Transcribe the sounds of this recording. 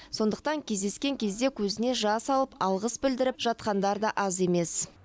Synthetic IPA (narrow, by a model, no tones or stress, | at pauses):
so̞nd̪əq̚t̪ɑŋkʲʰe̞zd̪e̞skʲe̞ŋkʲʰe̞zd̪e̞kʲʰɵzɪne̞ʒɑsɑlˠəpɑlˠʁəsbɪld̪ɪɾɪpʒ̥ɑt̪qɑnd̪ɑɾd̪ɑʔɑze̞me̞s